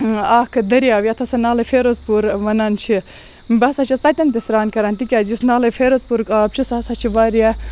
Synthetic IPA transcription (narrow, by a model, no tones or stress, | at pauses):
aːkʰɨd̪ɐɾijaːʋʲjat̪ʰɐsɐnaːlɐfeːɾozpuɾʋɐnaːnt͡ʃʰi | bɐsɐt͡ʃʰist̪ɐt̪ʲɐnt̪isɾaːnkɐɾaːnt̪ikʲaːd͡ʒisnaːlɐfʰeːɾozpuɾkaːb̚t͡ʃʰisasɐt͡ʃʰiʋaːɾija